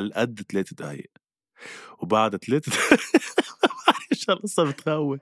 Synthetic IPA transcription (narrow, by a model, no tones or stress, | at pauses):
lʔad̪ːt̪aleːt̪at̪ha̰j̰ʔ | wbaʕd̪t̪aleːt̪t̪ | aɪʃælʔɑsˤːɑbɪt̪hawːi